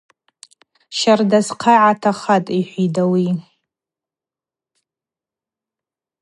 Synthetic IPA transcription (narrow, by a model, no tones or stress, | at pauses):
ʃardasqʰaʕatʰaχatʼiħʷidawi